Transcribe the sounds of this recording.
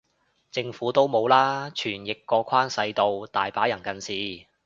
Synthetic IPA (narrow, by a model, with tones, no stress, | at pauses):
t͡sɪ˧ŋfuː˨˥t̪o˥wmo˨˧wlaː˥t͡ʃʰyː˨˩njɪ˨kːɔː˧kʰaː˥nsɐ˧jt̪o˨wt̪aː˨jpaː˨˥jɐ˨˩nkɐ˨nsiː˨